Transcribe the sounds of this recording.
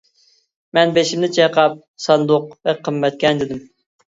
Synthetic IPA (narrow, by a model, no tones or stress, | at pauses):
mɛnbeʃimd̪ɪt͡ʃʰejqʰɑp̚sɑnd̪ʊq̚vɛqʰəmːɛt̪̚kʲɛnd̪ɪd̪ɪm